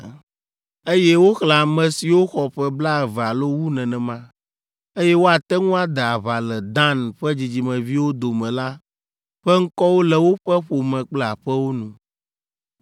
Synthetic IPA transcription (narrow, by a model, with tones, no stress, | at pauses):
e˦jɛ˦wo˦xla˨mɛ̃˨si˨wo˦xɔ˨ɸɛ˦bla˦˨va˨lo˦wu˦nɛ̃˨nɛ̃˨mã˦ | e˦jɛ˦wo˦a˨t̪ɛ˦ŋũ˦a˨d̪ɛ˨a˨βa˨lɛ˨d̪ã˦nɸɛ˦d͡ʑi˨d͡ʑi˨mɛ̃˨vi˦wo˦d̪o˨mɛ̃˨la˦ | ɸɛ˦ŋ̩˦kɔ˦wo˦lɛ˨wo˦ɸɛ˦ɸo˨mɛ̃˨k͡plɛ˦˨a˨ɸɛ˦wo˦nũ˨